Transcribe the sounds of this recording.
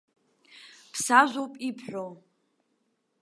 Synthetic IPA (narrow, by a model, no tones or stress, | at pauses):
pʰsaʒʷowpʼipʰħʷᶣo